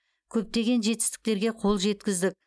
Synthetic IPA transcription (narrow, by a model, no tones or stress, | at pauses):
kʲʰɵp̚t̪e̞ɡʲe̞nʒe̞t̪ɪ̥st̪ɪ̥k̚t̪e̞ɾɡʲe̞qʰo̞lˠʒe̞t̪kʲɪzd̪ɪk̚ʲ